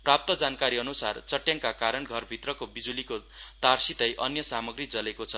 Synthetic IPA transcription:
prap̚t̪ʌd͡zankaɾiʌnusart͡sʌʈjaŋkakaɾʌnɡʱʌrbʱit̪rʌkobid͡zulikot̪arsit̪ʌjʔʌnjʌsamʌɡrid͡zʌlekot͡sʰʌ

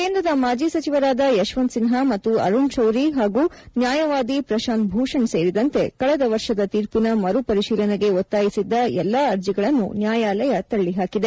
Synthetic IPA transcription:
keːnd̪ɾɐd̪ɐmaːd͡ʒiːsɐt͡ʃiʋɐɾaːd̪ɐjɐʃʋɐnt̪sinɦamɐt̪ːuɐ̰ɾuɳʃɐwɾiɦaːɡuːnjaːjɐʋaːd̪ipɾɐʃaːnt̪̚bʱuːʂɐɳse̞ːɾid̪ɐnt̪e̞kɐɭɛd̪ɐʋɐɾʂɐd̪ɐt̪iːɾpinɐmɐɾupɐɾiʃiːlɐneɡe̞ot̪ːaːjisid̪ːɐjɛlːaːɐɾd͡ʒiɡɐɭɐnːṵnjaːjaːlɐjɐt̪ɐɭːiɦaːkid̪e̞

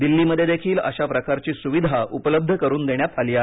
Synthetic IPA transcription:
d̪ilːiːməd̪ʱːjed̪ʱekʰiːlə̰ɕapɾəkaɾt͡ɕiːsuʋid̪ʱaupələb̚d̪ʱəkəɾuːnd̪eɳ̃japʰaliːa

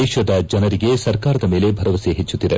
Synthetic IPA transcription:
ɛːʃɐd̪ɐd͡ʒɐnɐɾiɡe̞sɐɾkaːɾɐd̪ɐme̞ːlebʱɐɾɐʋɐseɦet͡ʃːut̪ːid̪e̞

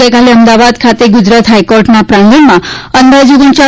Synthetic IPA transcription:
ekaleəmd̪aʋad̪kʰat̪eɡud͡zɾat̪ɦajkoɾʈnapɾanɡ̪inmaənd̪ʱad͡zuɡunt͡ɕa

